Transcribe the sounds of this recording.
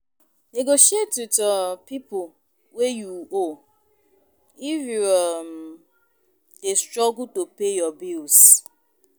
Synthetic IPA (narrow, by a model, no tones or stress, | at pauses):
neɡoʃietutɔpipʊ | wejuo | ifjuɔm | destɾɔɡutopejɔbils